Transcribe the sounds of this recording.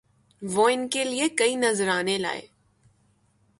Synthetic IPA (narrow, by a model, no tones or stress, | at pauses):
ʋoɪnkeliekɐinɐzɾaːnela̰ːḛː